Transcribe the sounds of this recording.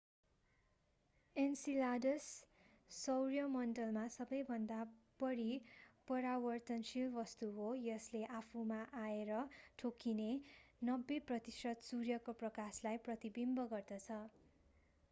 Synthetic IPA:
ensiladʌsː | ʌwrjʌmʌnɖʌlmasʌbʌjbʱʌnd̪ab̥ʌɾipʌɾawʌrt̪ʌnsilbʌst̪uɦojʌsleʔapʰumaʔaeɾʌʈʰokinenʌbːeprʌt̪isʌd̪surjʌkoprʌkaslajprʌt̪ibimbʌɡʌrd̪ʌt͡sʰʌ

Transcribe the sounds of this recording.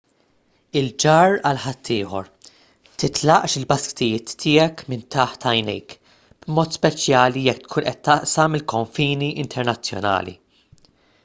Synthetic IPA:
ɪld͡ʒɐːɾɐlħɐt̪ʰːɪːħɔ̰ɾ | t̪ɪt̪lɐʔʃɪlbɐskɪ̥t̪ɪjɪːt̪ːɪːɛkmɪnt̪ɐħt̪ɐjnɛ̰jk | b̥mɔːt̪spɛt͡ʃjɐːlijɛkːt̪kʰuːnʔɛt̪ːɐʔsɐmːɪlkɔɱfiːniʔɪnt̪ʰɛɾnɐt͡sːjɔ̰nɐ̰ːlḭ

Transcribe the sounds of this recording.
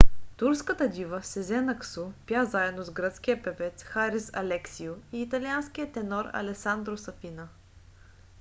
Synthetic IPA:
t̪uɾskət̪əd̪ʲivəsɛzɛnɐksupjazaɛd̪nozɡɾət̪sk̟ʲijəpɛvɛt̪sxaɾisɐ̰lɛksiʊiːt̪ɐliansk̟ʲijət̪ɛnɔɾɐ̰lɛsand̪ɾosɐfinə

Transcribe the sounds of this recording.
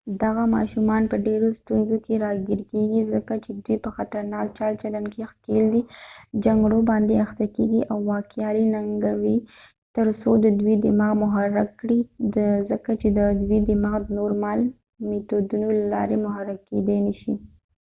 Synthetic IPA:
d̪aɣamɑ̰ʃumɑnpəɖeɾost̪unzokeɾɑɡiɾkeɡizəkat͡ʃed̪wipəxat̪aɾnɑk̚t͡ʃɑlt͡ʃalankexkeld̪id͡ʒaŋɡɽobɑnd̪eaxt̪akeɡiʔawːɑkjɑɾinaŋɡawi | t̪əɾsod̪əd̪wid̪ɪmɑɣmʊɦaɾakɽizəkat͡ʃed̪əd̪wid̪ɪmɑɣd̪ənoɾmal | met̪od̪unolalɑ̰ɾemʊɦaɾaked̪anəʃi

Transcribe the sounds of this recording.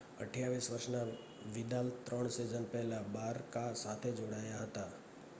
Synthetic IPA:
ə̰ʈʰjaʋisʋəɾʃna | ʋɪd̪alt̪ːɾəɳ̃sed͡ʒənpɛɦlabaːɾkasat̪ʰed͡ʒoɽaːjaɦət̪a

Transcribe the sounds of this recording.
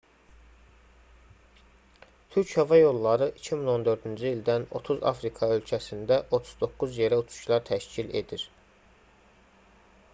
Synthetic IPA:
t̪ʰyɾchɑvɑjo̞lˠːɑɾɯʔicʰimino̞nd̪ø̞ɾd̪ynd͡ʒyiild̪æno̞̰t̪ʰuzɑ̰fɾikʰɑø̞lcʰæsind̪æʔo̞t̪ʰu̥zd̪o̞kːuzje̞ɾæut͡ʃ̪ʰu̥ʃlˠɑɾt̪ʰæʃcile̞̰d̪iɾ

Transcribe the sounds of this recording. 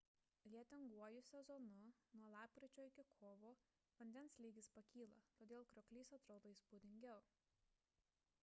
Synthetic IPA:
lʲiɛt̪ʲɪŋɡuɔjʊsʲɛzɔnʊnuɔlˠɑːp̚kɾʲɪt͡ʃʲoːɪkʲɪkʰoːʋoː | ʋɐnʲd̪ʲɛnslʲiːɡʲɪspɐkʲiːlˠɐt̪oːd̪ʲeːlˠkɾʲɔkʲlʲiːsɐt̪ɾoːd̪oːiˑspud̪ʲɪŋʲɡʲɛʊ

